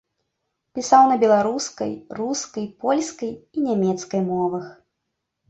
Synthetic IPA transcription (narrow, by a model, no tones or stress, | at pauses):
pʲisawnɐbʲɛlˠaɾuskɐ̰jruskɐjpɔlʲskɐjinʲamʲɛt̪skɐjmɔvɐx